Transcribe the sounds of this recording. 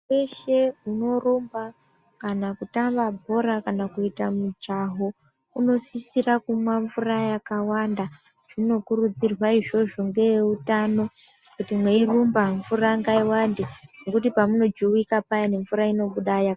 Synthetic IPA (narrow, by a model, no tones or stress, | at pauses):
weʃe̞uno̞rumba | kanakutambabʱo̞ɾakanakuitamud͡ʒaɦo | uno̞sisirakumwaɱvurajakawanda | ʐ̥ino̞kurud͡zirwaiʐo̞ʐoŋɡe̞jeutano̞ | kutimwe̞irumbaɱvuraŋɡaiwandeno̞kutipamuno̞d͡ʒuwikapajane̞ɱvuɾaino̞ɓuɗaja